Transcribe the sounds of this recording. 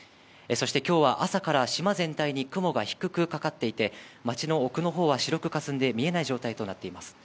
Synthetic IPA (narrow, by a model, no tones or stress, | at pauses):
eso̞ɕi̥t̪e̞kʲo̞ːβaʔasakaɾaɕimazẽ̞nt̪aiɲ̟ikɯ̟mo̞ɡaçi̥kɯ̟kɯ̟kakat̪ːe̞it̪e̞mat͡ɕino̞ːkɯ̟no̞ɦo̞ːβaɕiɾo̞kɯ̟kasɨ̃nd̪e̞mʲie̞naiʑoːt̪ait̪o̞nat̪ːe̞imasɨ̥